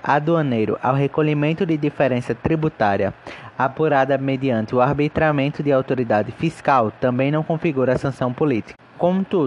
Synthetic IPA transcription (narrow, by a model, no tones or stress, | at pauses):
ad̪uɐnejɾʊ̰ʔa̰wɦekoʎimẽnt̪ʊd̪ɪd̪ifeɾẽsɐt̪ɾibut̪aɾiɐapuɾad̪ɐmed̪iɐ̃nt̪ɪʊaɾbit̪ɾamẽnt̪ʊd̪ɪawt̪oɾid̪ad̪ɪfiskawt̪ɐ̃mbẽj̃nɐ̃w̃kõfiɡuɾɐsɐ̃sɐ̃w̃polit̪i̥kɐ̥kõmʊt̪udʊ